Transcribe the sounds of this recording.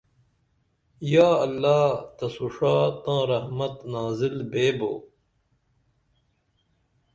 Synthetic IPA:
jaːɐlːaːt̪ɐsuʂaːt̪ãːɾɐhmɐt̪naːzilbeːbo̰ː

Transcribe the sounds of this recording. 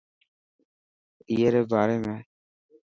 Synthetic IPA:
ɪjeːɾɛːbaːɾeːmẽː

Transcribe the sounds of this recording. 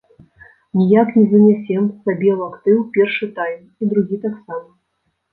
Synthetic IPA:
nʲijaknʲɛzɐnʲasʲɛmsabʲɛlˠakt̪ɨwpʲɛrʂɨt̪ajm | id̪ɾuɣʲit̪aksamɐ

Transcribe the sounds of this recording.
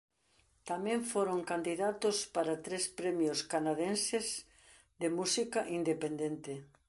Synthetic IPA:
t̪amẽɱfoɾoŋkand̪iðat̪ospaɾat̪ɾespɾemjoskanaðensɪz | ðemusikaʔind̪epend̪ent̪ɪ

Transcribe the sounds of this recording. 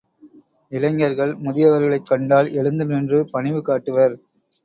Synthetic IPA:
ɪlɐŋɐɾɣɐɭmʊðɪjɐʋɐɾɣɐɭɐɪkːɐɳɖaːlʔɛɻɯnd̪ɯnɛndrɯpɐɳɪʋɯkːaːʈːɯʋɐɾ

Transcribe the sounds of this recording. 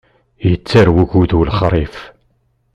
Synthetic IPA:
jət͡sːaɾwuʝuðulχɾˤif

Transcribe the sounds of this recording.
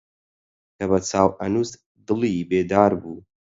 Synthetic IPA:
kʰɐβɐt͡sʰaːwʔɐnuːst̪ | d̪ɨlibeːd̪aːɾbuː

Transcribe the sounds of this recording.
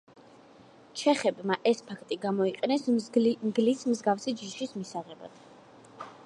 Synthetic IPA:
t͡ʃʰɛχɛbmaʔɛspʰakʰt̪ʼiɡamɔiqʼɛnɛsmɡlismzɡafsid͡ʒiʃismisaʁɛba̰d̪̥

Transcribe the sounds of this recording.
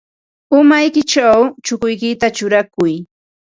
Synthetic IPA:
ʊmajkɪt͡ʃawt͡ʃʊkʊjkɪt̪at͡ʃʊɾakʊj

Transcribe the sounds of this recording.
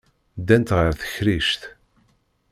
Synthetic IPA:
d̪ænt̪ʁəɾθə̥çɾiʃt̪

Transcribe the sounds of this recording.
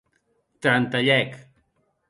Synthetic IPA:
t̪ɾant̪aʎajk

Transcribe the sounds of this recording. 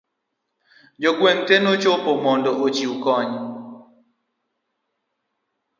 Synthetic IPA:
d͡ʒokweŋtɛnot͡ʃopomɔndɔʔot͡ʃiukɔɲ

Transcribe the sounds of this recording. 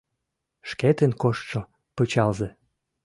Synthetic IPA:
ʃket̪ənkoʃt̪ʃo | pɤt͡ɕɑlze

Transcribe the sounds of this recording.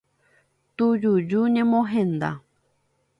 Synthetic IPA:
t̪ujud͡ʒuɲẽmõɦẽnd̪a̰

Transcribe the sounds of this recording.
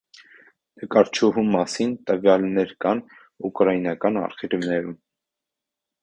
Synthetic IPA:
t̪əkɑɾt͡ʃʰuɦumːɑsint̪əvjɑlnɛɾkɑn | ukɾɑjinɑkɑnɑ̰ɾχiɾnɛɾum

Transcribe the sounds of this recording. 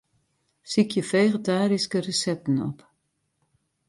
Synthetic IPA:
sikʰjəfeːχətaːɾiskərəsɛtn̩ɔ̰p

